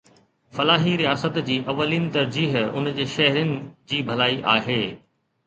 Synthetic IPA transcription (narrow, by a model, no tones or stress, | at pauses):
fɐlaːɦiɾijaːsət̪d͡ʑiːʔɐʋːəliːnɪ̆t̪ɐɾd͡ʑiːɦʊ̰nd͡ʑeːʃɐɦɾənɪ̆d͡ʑiːbʱɐlaːiʔaːɦeː